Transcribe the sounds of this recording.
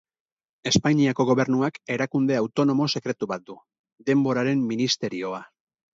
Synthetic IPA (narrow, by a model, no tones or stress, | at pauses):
e̞spaɲiako̞ɣo̞βe̞ɾnuake̞ɾakund̪e̞awt̪o̞no̞mo̞se̞kɾe̞t̪uβat̪̚d̪u | d̪e̞mbo̞ɾaɾe̞mːinist̪e̞ɾio̞a